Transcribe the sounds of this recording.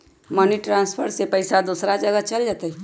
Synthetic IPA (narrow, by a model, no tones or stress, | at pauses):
məniʈɾãːnspʰəɾsepɐɪsad̪uːsɾad͡ʒəɡət͡ʃɐld͡ʒat̪aɛ